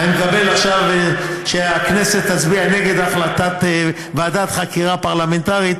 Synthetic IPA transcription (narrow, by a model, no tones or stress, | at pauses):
imekabelaχʃavʃeakneset̪ːat͡sbianeɡed̪aχlat̪at̪ | vad̪at̪χakiʁapaʁlament̪aʁit̪